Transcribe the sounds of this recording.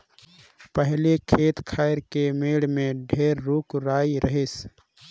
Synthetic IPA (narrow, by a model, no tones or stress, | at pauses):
pəɦlekʰeːt̪kʰaːeɾkemeːɽmẽɖʱeːɾːuːkɾaːiɾəɦes